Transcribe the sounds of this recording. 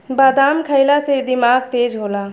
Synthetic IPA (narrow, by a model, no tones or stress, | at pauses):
bad̪amkʰəɪlased̪imaɡ̚t̪ed͡ʒɦola